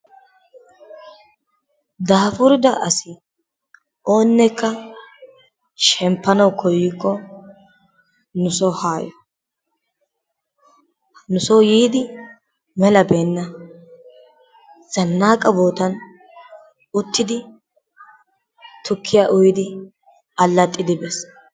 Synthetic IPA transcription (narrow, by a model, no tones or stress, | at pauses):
d̪aːfʊɾɪd̪ɐʔɐsɪ | ʔo̞ːnːɛkːɐ | ʃɛmpːɐnɐwkʰɔjːɪkːɔ | nʊsɔhaːjɔ | nʊsɔwjiːd̪ɪ | mɛlɐbeːnːɐ | z̥ɐnːaːkʼɐboːt̪ɐn | ʊt̪ːɪd̪ɪ | t̪ʊkʰːɪjaʔʊjɪd̪ɪ | ɐlːɐt̪ʼːɪd̪ɪbɛs